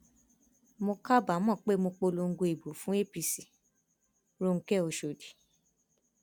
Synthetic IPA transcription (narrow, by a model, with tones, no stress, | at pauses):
mo˧ka˦ba˨˦mɔ̃˦˨k͡pe˦mo˧k͡po˧lo˧ŋ̩˦˧ɡo˧i˨bo˨˦fũ˦e˦pi˧si˨ | ɾo˦˧ŋ̩˧kɛ˦o˨˧ʃo˨di˨